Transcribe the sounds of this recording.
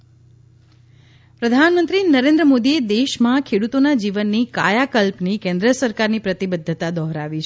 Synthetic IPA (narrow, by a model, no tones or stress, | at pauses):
pɾəd̪ʱanmənt̪ɾinəɾẽnd̪ɾəmod̪ied̪eʃmãkʰeɽut̪onad͡ʒiʋənːika̰jakəlpnikɛ̃nd̪ɾəsəɾkaɾnipɾət̪ibəd̪ʱːət̪ad̪ɔɦɾaʋit͡ʃʰ